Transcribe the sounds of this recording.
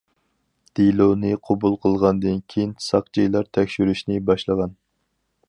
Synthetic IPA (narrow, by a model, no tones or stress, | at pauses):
d̪̥ilonɨqʰobulˠqʰəlˠʁɑnd̪ɨnkʲʰejinsɑq̚d͡ʒijlˠɑɾt̪ʰɛkʲʃyɾyʃnɪbɑʃlˠəʁɑn